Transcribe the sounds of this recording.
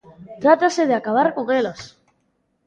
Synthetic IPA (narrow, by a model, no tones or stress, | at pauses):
t̪ɾat̪aseð̞eakaβ̞aɾko̞ŋelos